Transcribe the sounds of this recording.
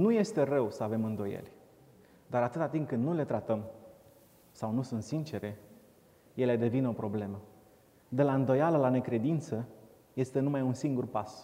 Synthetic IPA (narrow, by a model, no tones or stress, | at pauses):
nuje̞st̪e̞rəwsəave̞mɨnd̪o̞jḛlʲ | d̪aɾat̪ɨt̪at̪impkɨnd̪nule̞t̪ɾat̪əm | sawnusunt̪sint͡ʃe̞ɾe̞ | je̞le̞d̪e̞vino̞pɾo̞ble̞mə | d̪e̞laɨnd̪o̞jaləlane̞kɾe̞d̪int̪sə | je̞st̪e̞numajunsiŋɡurpas